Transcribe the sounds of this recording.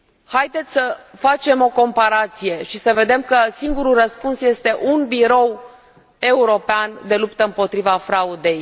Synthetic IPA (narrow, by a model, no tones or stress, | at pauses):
hajd̪et̪sʲsəfat͡ʃe̞mo̞ko̞mpaɾat̪sije̞ʃisəve̞d̪e̞mkəsiŋɡuɾurəspunsje̞st̪e̞ʔunbiɾo̞w | e̞uɾo̞peand̪e̞lupt̪əɨmpo̞t̪ɾivafɾaud̪e̞j